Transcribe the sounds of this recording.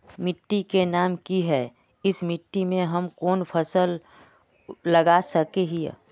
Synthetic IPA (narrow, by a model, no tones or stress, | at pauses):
mɪʈːikenaːmkiɦɛː | ɪsmɪʈːimẽɦɐmkoːnpʰəsəl | lɐɡasəkeɦḭ